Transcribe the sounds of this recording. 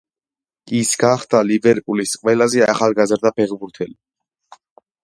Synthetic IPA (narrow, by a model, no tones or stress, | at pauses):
isɡaχd̪alibɛɾpʼulisqʼwɛlazɛaχalˠɡazɾd̪apʰɛʁbuɾt̪ʰɛli